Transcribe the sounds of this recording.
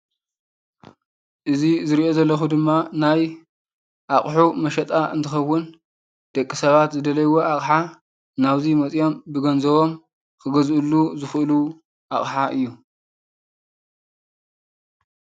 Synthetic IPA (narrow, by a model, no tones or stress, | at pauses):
ʔɨzizɨɾiʔo̞zɐlːɐxud̪ɨmːanaj | ʔaχʼħumɐʃɐt̪ʼaʔɨ̰nt̪ʰɨxɐwːʊn | d̪̥ɐkʼːisɐβat̪zɨd̪ɐlɐjwoʔaχʼħa | naβzimɐt͡sʼjo̞mbɨɡɐnzɐβo̞m | kʰɨɡɐzʔɨlːuzɨxʔɨlu | ʔaχʼħaʔɨjːu